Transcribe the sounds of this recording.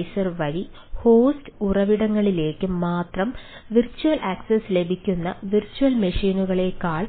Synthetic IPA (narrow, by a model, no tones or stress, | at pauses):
jsɐrʋɐɻi | ho̞ːstɨurɐʋiɽɐŋːɐɭile̞ːkːɨmaːt̪rɐm | ʋirt͡ɕːuʋɐlʔɐksɐsle̞bʱikʲːunːɐ̰ʋirt͡ɕːuʋɐlmɐʂiːnuɣɐɭe̞kaːɭ